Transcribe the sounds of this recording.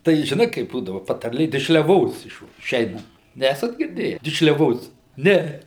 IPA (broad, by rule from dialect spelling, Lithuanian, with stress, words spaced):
tɐɪ ʒʲɪˈnɐɪ kɐɪp ˈbuːdɐʋɐ pɐtɐrʲˈlʲeː dʲɪʃʲlʲɛˈʋoːs ɪʃʋ ɪˈʃʲɛɪnɐnt ˈnʲæːsɐt ɡʲɪrʲˈdʲeːjæː dʲɪʃʲlʲɛˈʋoːs ˈnʲɛ